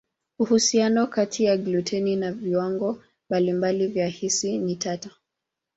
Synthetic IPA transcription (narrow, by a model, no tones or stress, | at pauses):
uhusianɔkatʰijaɡlutʰɛninaviwaŋɡɔ | mbalimbalivjahisinitatḁ